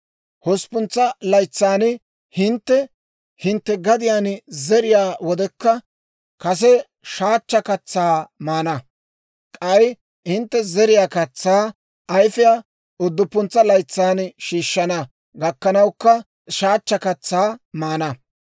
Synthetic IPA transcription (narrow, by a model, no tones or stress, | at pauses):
hɔspʊnt͡sːɐlɐjt͡sːaːn | hɪnt̪ːɛ | hɪnt̪ːɛɡɐd̪ɪjaːnzɛɾɪjaːwɔd̪ɛkːɐ | kɐs̬ɛ | ʃaːt͡ʃːɐkɐt͡sːaːmaːnɐ | kʼɐj | hɪnt̪ːɛzɛɾɪjaːkɐt͡sːaː | ɐjfɪja | ʊd̪ːʊpːʊnt͡sːɐlɐjt͡sːaːnʃiːʃːɐnɐ | ɡɐkːɐnɐwkːɐ | ʃaːt͡ʃːɐkɐt͡sːaːmaːnɐ